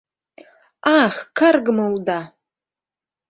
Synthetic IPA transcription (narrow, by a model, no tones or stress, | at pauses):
aχʲkʰarɡmɐlda